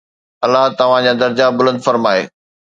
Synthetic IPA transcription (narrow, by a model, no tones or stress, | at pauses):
ɐlːaɦt̪ɐʋ̤ãd͡ʑad̪ɐɾd͡ʑabʊlə̃nd̪fɐɾmaːḛː